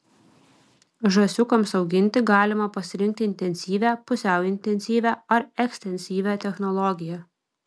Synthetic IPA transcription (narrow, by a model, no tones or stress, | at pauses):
ʒɐsʲʊkɐmsɒʊɡʲɪnʲt̪ʲɪɡɑːlʲɪmɐpɐsʲɪɾʲɪŋk̚t̪ʲɪɪnʲt̪ʲɛnʲsʲiːʋʲæpʊsʲæˑʊɪnʲt̪ʲɛnʲsʲiːʋʲæːɐɾɛksʲt̪ʲɛnʲsʲiːʋʲæt̪ʲɛxnɔlˠɔɡʲɪjæ